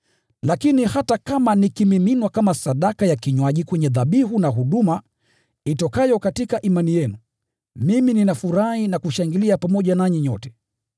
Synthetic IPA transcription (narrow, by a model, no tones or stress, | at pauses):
lakinihatakamanikimiminwakamasaɗakajakiɲwaʄikwɛɲɛðaɓiɦunaɦuɗuma | itɔkajɔkatikaʔimanijɛnu | mimininafuɾahinakuʃaŋɡiliapamɔʄanaɲiɲɔtɛ̥